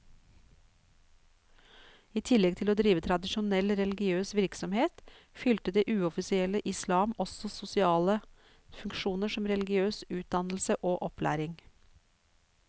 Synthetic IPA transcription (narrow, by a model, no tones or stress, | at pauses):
iːt̪ʰɪlɛɡ̚t̪ʰɪloːd̪ɾiːʋət̪ʰɾɑd̪ɪʃʊnɛlɾɛlɡɪøːsʋɪɾksɔmheːt̪ | fʏlt̪əd̪eːʔʉːɔfɪsɪɛləʔɪslɑːmɔsɔsʊsɪɑːlə | fʉŋkʃuːnəʃɔmɾɛlɡɪøːsʉːt̪̚d̪ɑnl̩səʔoːʔɔpʰlæ̰ːɾɪŋ